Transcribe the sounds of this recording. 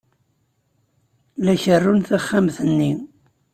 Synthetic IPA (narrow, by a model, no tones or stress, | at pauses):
læçərːunθæχːæmθənːi